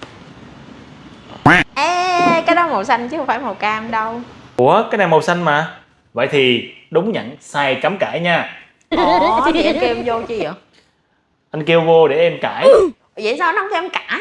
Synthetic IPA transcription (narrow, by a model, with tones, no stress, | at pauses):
ʔɛ˨˧kaː˨˦jɗɔ˨˦mo˨˩sa˧jŋ̟t͡ɕɨ˦xə˧ŋ͡mfaː˧˩jmo˨˩t̚kaː˧ʔmɗə˧wku˧˩˦əkaː˨˦˥jnaː˨˩mo˨˩wsa˧jŋ̟maː˨˩ | və̰˧˨jt̪ʰi˨˩ɗʊ˨˦ŋ͡mɲə̰˧˨nsaː˧jka˨˦mkaː˧˩jɲaː˧ | ɔ˦˨ti˨ʔa˧ke˧wzo˧t͡ɕi˧˩ə˨˩ | ʔa˧n̟ke˧wvo˧ɗe˧˩ʔɛ˧mkaː˧˩j | zə̰˧˨˩saː˧wna˨˧˦wt̪ʰi˨ɛ˧mkaː˧˩